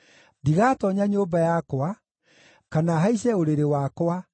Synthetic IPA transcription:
ndiɣaːtɔɲaɲoːbajakwa | kanaɦaiɕɛoɾeɾewakwa

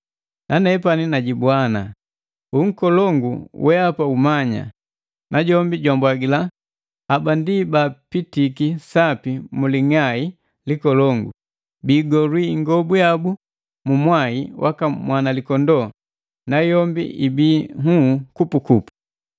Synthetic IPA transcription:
nʔanɛpaninaɟibwana | uŋ̩kɔlɔŋɡṵwʔɛapaumaɲa̰ | nʔaɟɔmbiɟɔmbwaɡila | abandibapitikisapimuliŋai | likɔlɔŋɡṵ | biːɡɔlwiŋɡɔbujabu | mumwaiwʔa̰kamwanalikɔndɔ | najɔmbḭibiːhukupukupu̥

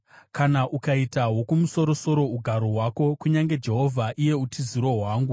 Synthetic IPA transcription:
kanaʔukaitaɦwo̞kumuso̞ɾo̞so̞ɾo̞uɡʱaɾoɦwako̞kuɲaŋɡe̞d͡ʒe̞ɦo̞vʱaʔije̞utʰiziɾoɦwaːŋɡu

